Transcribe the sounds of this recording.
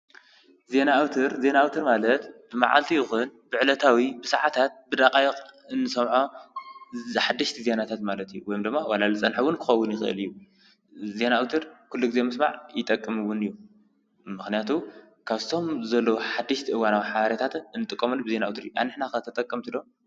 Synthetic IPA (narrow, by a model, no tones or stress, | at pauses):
ze̞naːwt̪ʰɨɾze̞naːwt̪ʰɨɾmalɐt̪b̥ɨmaʕa̰lt̪ʰijɪxunbɨʕlɐt̪ʰawibɨsaʕat̪ʰat̪̚bɨd̪akʼajqɨnːɨsɐmʕo | ħad̪ːɨʃt̪ʰizenat̪ʰat̪malɐt̪ijuwɔjomd̪ɨmːawalalɨt͡sʼɐnħuwʊnkʰɨxɐwːʊnjɪxɨʔɨ̰lɨjːu | ze̞naːwt̪ʰɨɾkʰulːuɡɨze̞mɨsmaʕjɪt̪ʼɐkʼːɨmɨwʊnɨjːu | mɨxnijat̪ʰu | kʰaβt̪ʰo̞mzɐlːoħad̪ːɨʃt̪ʰiʔɨwanawiħaβɐɾit̪ʰat̪ɨnːɨt̪ʼɨkʼːɐmulːubɨze̞naawt̪ɨɾɨjuʔa̰nɨħnakɐt̪ʰɐt̪ʼɐkʼːɐmt̪ʰɨlo